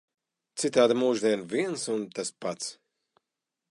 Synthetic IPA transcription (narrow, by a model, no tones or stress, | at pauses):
t̪sit̪aːd̪amuːʒd̪iɛnviɛnsunt̪aspat̪s